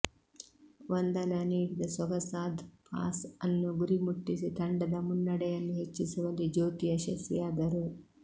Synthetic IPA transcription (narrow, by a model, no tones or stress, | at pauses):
ʋɐnd̪ɐlɐniːɽid̪ɐsɔɡɐsaːd̪ʱpʰa̰ːsɐnːuɡuɾimuʈːisit̪ɐɳɖɐd̪ɐmunːɐɽɛjɐnːuɦet͡ʃːisuʋɐlid͡ʒoːt̪ijɐʃɐsijaːd̪ɐɾu